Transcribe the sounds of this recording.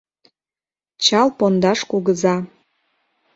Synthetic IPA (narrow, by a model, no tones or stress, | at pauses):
t͡ɕɑlˠpond̪ɑʃkuɡəzɑ